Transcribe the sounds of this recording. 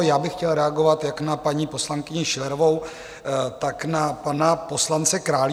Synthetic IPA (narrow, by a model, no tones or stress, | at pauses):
jaːbɪxcɛlɾɛaɡovat̪jaknapaɲiːpo̞slaŋkɪɲɪʃɪlɛɾovo̞w | t̪aknapanapo̞slant͡sɛkɾaːl